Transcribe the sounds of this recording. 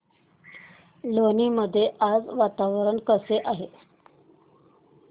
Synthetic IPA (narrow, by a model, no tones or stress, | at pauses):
loniːməd̪ʱːjeʔad͡zʋat̪aʋəɾəɳkəseʔaɦe